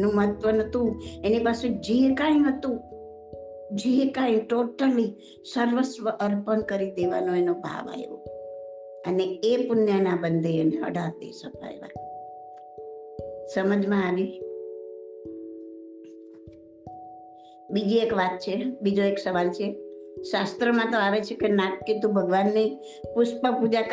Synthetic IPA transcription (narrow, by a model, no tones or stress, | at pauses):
nũməɦət̪ʋənət̪ũenipased͡ʒekãĩɦət̪ũ | d͡ʒekãĩʈoʈəli | səɾʋəsʋəʔəɾpənkəɾid̪eʋa̰nõenobʱa̰ʋa̰jʋo̰ | əneepʊnjənabənd̪ʱeːneə̰ɖʱaɾt̪ḛsəpʰa̰jʋa̰ | səməd͡ʒmãːʋi | bid͡ʒiekʋat̪̚t͡ʃʰebid͡ʒoeksəʋalt͡ʃʰeʃast̪ɾəmãt̪oaʋet͡ʃʰekenakːet̪ũbʱəɡʋanːəi | pʊspəpud͡ʒak